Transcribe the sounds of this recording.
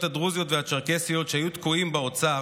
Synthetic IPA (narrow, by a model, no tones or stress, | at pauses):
t̪had̪ʁuzjo̞t̪vehat͡ʃaʁkesijo̞t̪ʃehajut̪kuimbeot͡sa